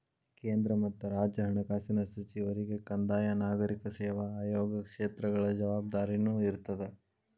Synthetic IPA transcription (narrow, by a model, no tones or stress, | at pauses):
keːnd̪ɾɐmɐt̪ːuɾaːd͡ʒɐɦɐɳɐkaːsinɐsɐt͡ʃiʋɐɾiɡe̞kɐnd̪aːjɐnaːɡɐɾikɐseːʋɐaːjoːɡɐkʂeːt̪ɾɐɡɐɭɐd͡ʒɐʋaːb̚d̪aːɾinuːiɾt̪ɐd̪e